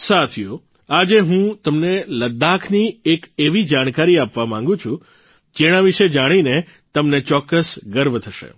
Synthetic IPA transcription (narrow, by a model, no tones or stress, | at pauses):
sat̪ʰijo | ad͡ʒeɦũt̪əmneləd̪akʰniekeʋid͡ʒaɽ̃kaɾiapʋamãŋɡũt͡ʃʰũ | d͡ʒeɽ̃aʋiʃed͡ʒaɽ̃ine | t̪əmnet͡ʃɔkːəsɡəɾʋt̪ʰəʃḛ